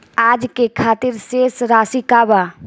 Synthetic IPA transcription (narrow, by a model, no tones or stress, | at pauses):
aːd͡ʒkekʰaːt̪ɪɾseːsɾaːsikaːbaː